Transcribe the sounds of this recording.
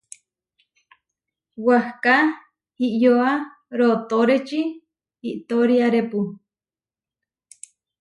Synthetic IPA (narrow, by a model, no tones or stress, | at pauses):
wahka | hiʔjoa | ɾot̪oɾet͡ʃi | iʔt̪oɾiaɾepu